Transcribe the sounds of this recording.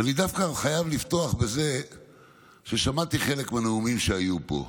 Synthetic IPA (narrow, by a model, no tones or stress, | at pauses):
anid̪afkaχajavlift̪o̞aχbe̞ze̞ | ʃe̞ʃamat̪iχele̞kmeneumimʃeajupo̞̰